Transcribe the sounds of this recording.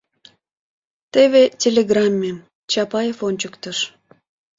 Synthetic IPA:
t̪eβetʲelʲeɡrɑmʲːem | t͡ɕɑpɑjefonʲt͡ɕəkt̪əʃ

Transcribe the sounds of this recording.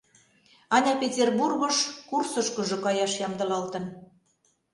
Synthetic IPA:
ɑnʲɑpʲetʲerburɣɤ̆ʃkursɤ̆ʃkə̆ʒɤ̆kɑjɑʃjɑmd̪ɤ̆lɑlt̪ə̆n

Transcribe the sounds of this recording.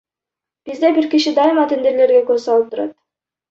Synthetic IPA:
b̥izd̪ebiɾkʲiʃid̪ɑɪmɑt̪end̪eɾle̞ɾɡʲekɵɾzsɑlˠɯp̚t̪ʰʊɾɑ̰t̪̚

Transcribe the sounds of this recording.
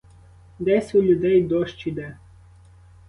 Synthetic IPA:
d̪ɛsʲulʲud̪ɛjd̪ɔʃt͡ʃid̪ɛ

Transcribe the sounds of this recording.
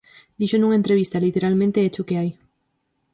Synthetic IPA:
d̪̥iʃonũŋe̞nt̪ɾeβist̪alit̪eɾalmẽnt̪eet͡ʃokeaj

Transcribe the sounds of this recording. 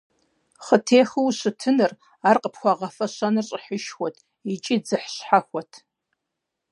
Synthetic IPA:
χətʰeːxɨwɕɨtʰɨnɨr | arqəpxʷɑʁɐfɐɕʷɐnɨrɕʼɪħəʃxʷɔtʰ | it͡ʃʼid͡zɨħɕħaxʷɔtʰ

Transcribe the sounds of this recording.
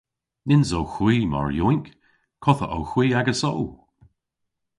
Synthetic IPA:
nɪnzowxwiːma̰ɹjuŋk | kʰɔθə̰ʔo̰wxwiːaɡəso̰w

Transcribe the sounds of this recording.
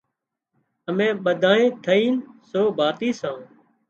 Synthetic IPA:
əmẽːɓəd̪ʱãːẽːt̪ʰəiːnsoːbʱaːt̪iːsãː

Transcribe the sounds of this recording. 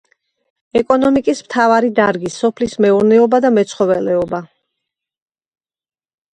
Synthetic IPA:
ɛkʼɔnɔmikʼismt̪ʰavaɾid̪aɾɡisɔpʰlismɛuɾnɛɔbad̪amɛt̪sʰχɔvɛlɛɔba

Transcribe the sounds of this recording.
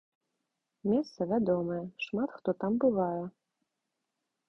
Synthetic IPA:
mʲest̪sɐvʲad̪ɔmɐjɛʂmat̪xt̪ɔt̪ambɨvɑjɛ

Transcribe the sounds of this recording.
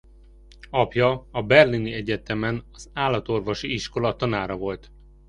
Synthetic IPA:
ɒpjɒɒbɛrliniɛɟɛt̪ɛmɛnɒzaːlːɒt̪o̞rvo̞ʃiiʃko̞lɒt̪ɒnaːɾɒvo̞lt̪

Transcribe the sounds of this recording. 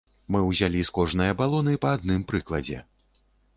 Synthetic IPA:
mɨwzʲalʲiskɔʐnɨjɐbalˠɔnɨpɐːd̪̚nɨmpɾɨklˠɐd͡zʲɛ̰

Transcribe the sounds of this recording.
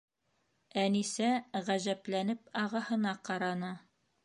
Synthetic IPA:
ænisæʁæʑæplænɘpɑʁɑhɤ̆nɑqɑɾɑnɤ

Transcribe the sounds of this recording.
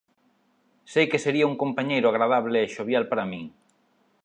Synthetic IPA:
sejkeseɾiauŋkompaɲejɾʊaɣɾað̞aβ̞leːʃoβjalpaɾamĩŋ

